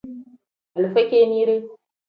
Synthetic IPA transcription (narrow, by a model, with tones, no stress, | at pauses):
a˨lu˨fe˦kʲe˦ni˦ɾe˦